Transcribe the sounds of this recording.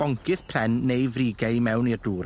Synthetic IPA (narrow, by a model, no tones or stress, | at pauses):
ɔŋkʰɪθpʰrɛnːejvriːɡɛɨmɛwnirduːɾ